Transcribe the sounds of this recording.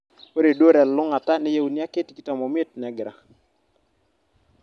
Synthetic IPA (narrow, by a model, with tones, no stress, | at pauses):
wo˦ɾe˨do˦ɾɛ˨llʊ˦ŋa˨ta˦nɛ˦je˦u˨nja˦kɪ˦tki˦ta˨mɔ˨m˦e˦t̚nɛ˨ɡɾa̰˨